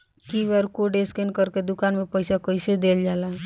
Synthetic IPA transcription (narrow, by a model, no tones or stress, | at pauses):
kiʋəɾkoɖeskenkəɾked̪ʊkanmepəjsakəɪsed̪eld͡ʒaːlaɦ